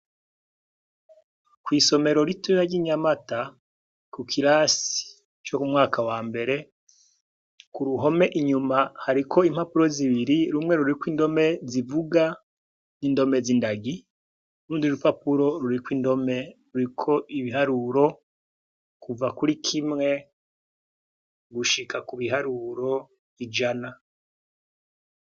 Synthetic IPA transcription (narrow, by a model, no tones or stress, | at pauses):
kwiːso̞me̞ɾoɾituiɾaɾɟiɲamata | kukʰiɾasi̥ | t͡ʃo̞kumŋaːkʰawaːmbe̞ɾe̞ | kuɾuɦo̞me̞ʔiɲumahaɾikʰo̞im̥hapuɾo̞ziβiɾiɾumŋe̞ɾuɾikwiːndo̞me̞zivuɡa | nindo̞me̞zindaɡi | uɾuːndiuɾupapuɾo̞ɾuɾikwiːndo̞me̞ɾuɾikʰo̞ʔiβiɦaɾuɾo̞ | kuvakuɾikʰimŋe̞ | ɡuʃikakuβiɦaɾuɾo̞ | id͡ʒana